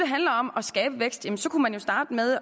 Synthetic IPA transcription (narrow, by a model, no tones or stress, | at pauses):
eɦænlɐɒ̽mɒ̽sɡ̥ɛːb̥əʋeɡ̥sd̥jæmənsɒ̽kʰumænjo̝sd̥ɑ̈ːd̥með̞ˠ